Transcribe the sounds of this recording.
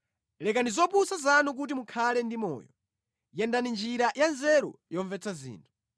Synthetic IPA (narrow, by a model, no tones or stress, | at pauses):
lɛkandizɔpusazanuk̬ut̬imukʰalɛndimɔ̰ːjɔ | jɛndanind͡ʒiɾajanzɛɾɔ̰jɔɱvɛt͡sʰazḭːntʰu̥